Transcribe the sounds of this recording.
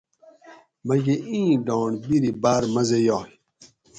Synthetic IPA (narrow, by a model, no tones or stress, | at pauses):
mɐɡeʔĩːɖɔːɳbiɾibaːɾmɐzejaː